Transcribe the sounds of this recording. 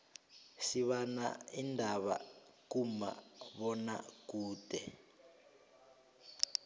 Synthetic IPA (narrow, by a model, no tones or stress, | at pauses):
siβana̰indʱaβa̰kuma̰βɔna̰kuːtɛ